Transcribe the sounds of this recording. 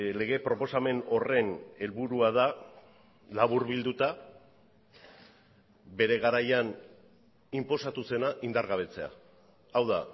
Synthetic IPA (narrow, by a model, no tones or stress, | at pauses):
le̞ɣe̞pɾo̞po̞same̞no̞re̞ne̞lβuɾuað̞a | laβ̞uɾβild̪ut̪a | be̞ɾe̞ɣaɾajan | impo̞sat̪use̞naʔind̪aɾɣaβ̞e̞t͡se̞a̰ː | wða̰